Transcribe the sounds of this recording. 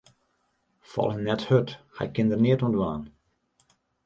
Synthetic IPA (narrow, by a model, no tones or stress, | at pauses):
fɔ̰lˠhənːɛthøtxa̰ɪkːɪndərnɪətɔndʋa̰ːn